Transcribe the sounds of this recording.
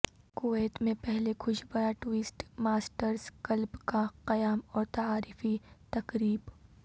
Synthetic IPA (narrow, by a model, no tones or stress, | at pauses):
koeːt̪mẽpɛɦlekʰʊʃʰbɐjaʈʊɪsʈmaːsʈəɾzkɐlbkaqɐjaːmɔːɾt̪aaːɾɪfit̪ɐkɾiːb